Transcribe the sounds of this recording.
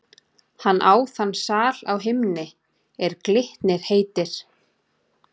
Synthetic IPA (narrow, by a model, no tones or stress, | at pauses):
hanːʔaːwθanːsaːlawɦɪmnɪ | ɛɾklɪht̪nɪɾ̥heːjt̪ɪɾ̥